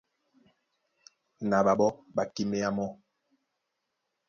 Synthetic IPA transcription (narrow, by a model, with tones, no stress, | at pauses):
na˨ɓa˨ɓɔ˦ɓa˨ki˦me˦ja˦mɔ˦